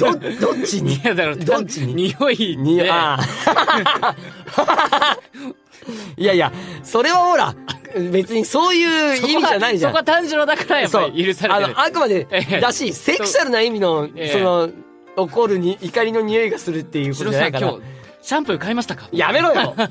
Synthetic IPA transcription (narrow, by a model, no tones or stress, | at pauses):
d̪̥od̪ot͡ɕiɲid̪aɾod̪ot͡ɕːiɲiɲioiɲioa | iajaso̞ɾe̞βaho̞ɾa̰be̞t͡sɨɲ̟iso̞ːjɯ̟ːimʲiʑanaiʑaõkoat̪ãɲd͡ʑɨɾod̪akaɾajasoiiɾɯ̟saɾeanoʔaŋkɯ̟mad̪e̞d̪aɕiːseksaɾɯ̟naimʲino̞so̞no̞ | oko̞ɾɯ̟ɲiikaɾʲino̞ɲ̟io̞iɡasɨɾɯ̟t̪ːe̞jɯ̟kotoooaikaoa | ɕãmpɯ̟ɯkaimaɕi̥t̪akḁjame̞ɾojo